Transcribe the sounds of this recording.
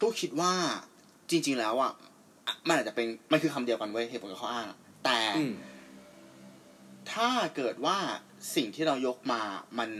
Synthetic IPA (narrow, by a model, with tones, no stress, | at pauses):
kuː˥˩kʰi˦˥t̪̚waː˥˩ | t͡ɕi˧ŋt͡ɕi˧ŋlɛː˦˥wʔa̰˨˩ | ʔma˧nʔaː˨˩t͡ɕa˨˩pe˧nma˧nkʰɯː˧kʰa˧mdi˧əwka˧nwɤ˦˥ɦeː˧˩p̚wo˨˦˩ka˨˩a˥ʔaː˥˩ŋa̰˨˩ | t̪ɛː˨˩ | t̪ʰaː˥˩kɤː˨˩t̪̚waː˥˩ | si˨˩ŋt̪ʰiː˥˩ɾa˧wjo˦˥k̚maː˧ma˧n